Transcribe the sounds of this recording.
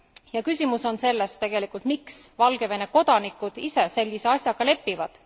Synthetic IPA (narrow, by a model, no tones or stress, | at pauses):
jɑkysʲimuso̞nse̞lːe̞st̪e̞ɡ̥e̞likˑult̪miksvɑlɡ̥e̞ve̞ne̞ko̞d̪̥ɑnikːˑud̪̥ise̞se̞lʲɡise̞ɑsʲjɑɡ̥ɑle̞pːivɑd̪̥